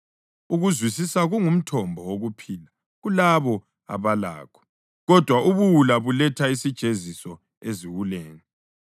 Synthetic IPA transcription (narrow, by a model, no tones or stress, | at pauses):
uɣuzwisisaɣuŋum̩tʰɔmbʱɔwoɣupʰiːla | ɣulaβɔ | a̰βala̰ːkʰɔ̥ | ɣɔd̥ʱwaʔuβuwulaβulɛtʰaisid̥ʒ̥ʱezisɔ | eziwuleːni